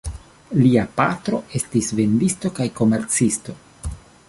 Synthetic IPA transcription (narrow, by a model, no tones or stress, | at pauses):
liapatɾo̞ʔe̞stisve̞ndisto̞kajko̞me̞ɾt͡sisto̞